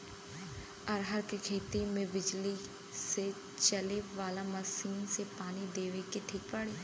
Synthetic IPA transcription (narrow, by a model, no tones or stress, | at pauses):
əɾɦəɾkekʰeːt̪imẽbɪd͡ʒli | se | t͡ʃəleʋaːlamɐsiːnsepaːnid̪eːʋekeʈʰiːk̚pəɽeː